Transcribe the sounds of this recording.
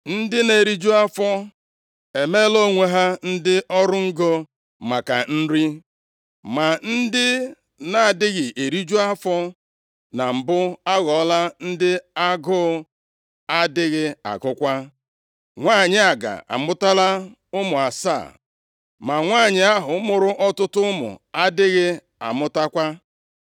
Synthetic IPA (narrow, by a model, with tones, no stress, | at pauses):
n̩˦dɪ˦ne˨ɾi˦d͡ʒu˦a˦fɔ˦ | e˨me˦lo˦ŋʷe˦ɦa˦n̩˦dɪ˦ʔɔ˦ɾʊ˦ŋ̩˦ɡo˦ | ma˨ka˨n̩˦ɾi˦ | ma˨n̩˦dɪ˦ | na˨a˨dɪ˦ɣɪ˨ʔe˨ɾi˦d͡ʒu˦a˦fɔ˦ | na˨m̩˨bʊ˦a˦ɣɔ˨˦la˦n̩˦dɪ˦a˦ɡʊ˦ | a˦dɪ˦ɣɪ˦a̰˨ɡʊ˦kʷa˦ | ŋʷaː˦˨ɲɪ˨a˨ɡa̰˨a̰˨mʊ˦ta˦la˦ | ʊ˦mʊ˨a˨sa̰ː˦˨ | ma˨ŋʷaː˦˨ɲɪ˨a˦ɦʊ˨˦mʊ˨ɾʊ˦ʔɔ˦tʊ˦tʊ˦ʊ˦mʊ̰˨a˦dɪ˦ɣɪ˦ | a̰˨mʊ˦ta˦kʷa˦